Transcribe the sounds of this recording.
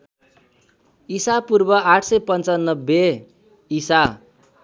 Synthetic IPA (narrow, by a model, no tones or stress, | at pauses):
isapurbʌaʈʰsʌjpʌnt͡sanːʌbːe | isa